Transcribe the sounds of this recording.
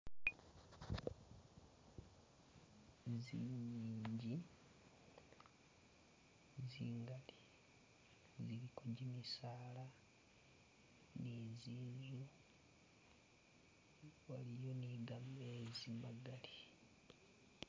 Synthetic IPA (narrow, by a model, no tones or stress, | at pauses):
ziɲiːɲɟi | ziːŋɡali | ziɾikʰoɟimisaːla | niziːnzu | walijo̞niɡamezimaɡali